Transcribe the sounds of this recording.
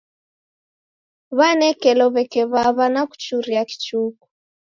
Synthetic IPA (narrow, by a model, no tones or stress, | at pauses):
βanɛkɛlɔβɛkɛβaβanaku̥t͡ʃuɾiaki̥t͡ʃuku̥